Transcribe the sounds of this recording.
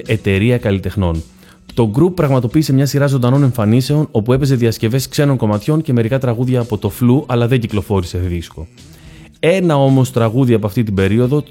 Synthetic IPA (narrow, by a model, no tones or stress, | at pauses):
ʔet̪e̞ɾiɐkɐlit̪e̞xno̞n | t̪o̞ɡɾupːɾɐɣmɐt̪o̞piːse̞mɲɐsiɾɐzo̞nd̪ɐno̞ne̞ɱfɐnise̞o̞nopue̞pe̞ze̞ðiɐsce̞ve̞skse̞no̞ŋko̞mɐt̪ço̞nce̞me̞ɾikɐt̪ɾɐɣuðʝɐːpo̞t̪o̞fluʔɐlɐðe̞ɲɟiklo̞fo̞ɾise̞ðisko̞ | e̞nɐo̞mo̞st̪ɾɐɣuðiɐpo̞ɐft̪it̪̬ibe̞ɾio̞ðo̞